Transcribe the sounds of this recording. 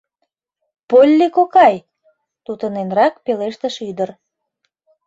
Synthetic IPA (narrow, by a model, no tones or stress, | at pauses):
polʲːikokɑj | t̪ut̪ənenrɑkpeleʃt̪ə̆ʃyd̪ər